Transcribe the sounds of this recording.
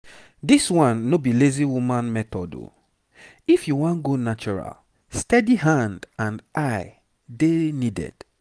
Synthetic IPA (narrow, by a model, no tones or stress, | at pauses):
diswãnːobileziwumãnmɛtɔdo̰ | ifjuwãnɡonat͡ʃɔɹa̰l | stɛdiɦãndãndaɪ | denidɛ̰d̥